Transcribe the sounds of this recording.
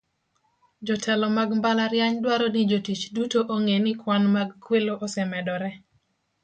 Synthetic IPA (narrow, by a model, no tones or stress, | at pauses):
d͡ʒɔtʰɛlɔmaɡmbalaɾjaɲdwaɾɔnɪd͡ʒotit͡ʃdutoʔoŋenɪkwanmaɡkweloʔɔsɛmɛdɔɾɛ